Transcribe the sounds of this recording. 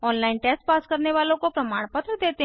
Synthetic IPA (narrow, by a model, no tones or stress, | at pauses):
ɔːnlaːinʈeːsʈ̚paːskəɾneʋaːlõkopɾɐmaːɽ̃pət̪ɾəd̪eːt̪e